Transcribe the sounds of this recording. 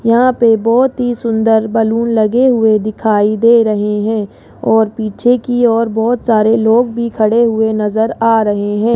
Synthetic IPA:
jɐɦãpebɔːt̪ɦisʊ̃nd̪əɾbɐluːnlɐɡeɦʊed̪ɪkʰaːid̪eːɾɐɦeɦɛ̃ː | ɔːɾpiːt͡ʃʰekiɔːɾbɔːt̪saːɾeloːɡbʱikʰɐɽeɦʊenɐzəɾaːɾɐɦeɦɛ̃ː

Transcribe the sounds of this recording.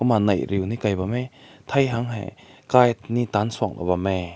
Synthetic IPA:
kumanɐjɾiwnikajbamet̪ʰajɦaŋɦɛ̰kajnitansuak̚la̰βame

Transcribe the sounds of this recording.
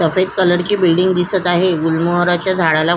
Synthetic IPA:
əfed̪kələɽt͡ɕiːbilɖiŋɡ̚d̪isət̪aɦeulməɦəɾat͡ɕjad͡zʱaɽala

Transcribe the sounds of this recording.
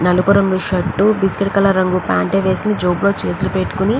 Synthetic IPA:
nɐlupɐɾɐŋɡuʃɐʈːubiskeʈ̚kɐlɐɾɐŋɡupaːɳʈeːʋeːskunid͡ʒoːblo̞ːt͡ʃeːt̪ulupeʈːu̥kuni

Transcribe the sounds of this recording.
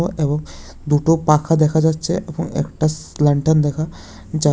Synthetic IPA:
oʔebɔŋ | d̪uʈopakʰad̪ekʰad͡ʒat̪ːt͡ʃʰeʔebɔŋḛkʈa | ləɳʈənd̪ɛkʰa | d͡ʒa

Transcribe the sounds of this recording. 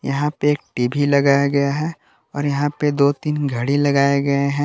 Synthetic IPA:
jɐɦãpeeːk̚ʈiːbʱilɐɡaːjaɡɐjaɦɛ | ɔːɾjɐɦãped̪oːt̪iːnɡʱɐɽilɐɡaːeɡɐeɦɛ̃

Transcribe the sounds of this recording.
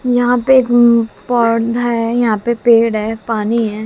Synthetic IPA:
jɐɦãpeːkpɔːd̪ʱɦɦɛjɐɦãpepeːɽɦɛpaːniɦɛː

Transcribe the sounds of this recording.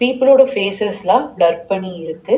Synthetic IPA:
piːpːɪloːɽɐfeːsɛslãːɖɐɾpɐɳːiɪɾɯkːɯ

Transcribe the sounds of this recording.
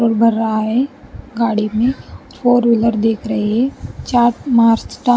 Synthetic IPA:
əɾbʱɐɾːɐɦaɦɛɡaːɽimẽ | fʰoːɾʋɪləɾd̪eːkʰɾɐɦiɦɛt͡ʃaːɾʈmaːɾsʈa

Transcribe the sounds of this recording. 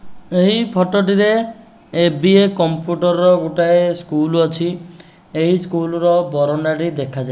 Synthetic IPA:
eɦipʰɔʈɔʈiɾeː | biekɔmpjuʈɔɾɔɾɔɡuʈaeskulɔt͡ʃʰi | eɦiskulɔɾɔbɔɾɔɳɖaʈid̪ekʰad͡ʒa

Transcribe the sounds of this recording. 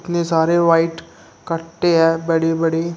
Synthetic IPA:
t̪nesaːɾeʋaːɪʈ | kɐɾt̪eɦɛ̃ːbɐɽebɐɽe

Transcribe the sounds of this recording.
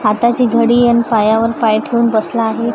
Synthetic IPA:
at̪at͡ɕiːɡʱəɽiːanipajaʋəɾpajʈʰeunbəslaːɦe

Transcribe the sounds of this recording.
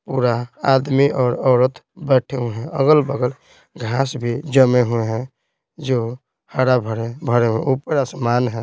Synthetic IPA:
puɾaːd̪miʔɔːɾɔːɾət̪bɛʈʰeɦueɦɛ̃əɡəlbəɡəl | ɡʱasbʱid͡ʒəmeɦueɦɛ̃ | d͡ʒo | haɽabʱəɾebʱəɾeɦuḛ̃upəɾasəmanɦɛ̃

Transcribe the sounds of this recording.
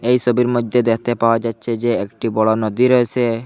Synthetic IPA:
ejsobiɾmod̪ʱːed̪ekʰt̪epaoad͡ʑatːɕʰed͡ʑeek̚ʈibɔɽonod̪iɾɔet͡ɕʰe

